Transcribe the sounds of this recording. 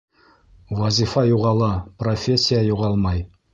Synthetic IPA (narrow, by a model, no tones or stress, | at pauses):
wazifɑjuʁɑlˠɑprofʲesʲːijajuʁɑlˠmɑj